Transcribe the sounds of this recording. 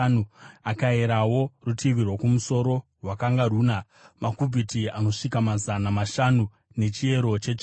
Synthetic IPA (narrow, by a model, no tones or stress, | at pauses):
nuakaeɾawo̞rutʰiʋirwokumuso̞ɾo̞rwakaŋɡaruːna | makubʱitiano̞ʂikamazanamaʃanu | ne̞t͡ʃie̞ɾo̞t͡ʃe̞t͡ʃ